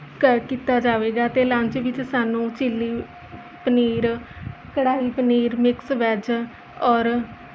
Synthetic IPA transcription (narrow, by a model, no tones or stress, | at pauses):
kəɾkiːt̪aːd͡ʒaːʋeːɡaːt̪eːlãːɲt͡ʃʋɪt͡ʃsaːnũːt͡ʃɪlːiː | pəniːɾ | kəɽaːiːpəniːɾmɪksʋɛːd͡ʒ | ɔːɾ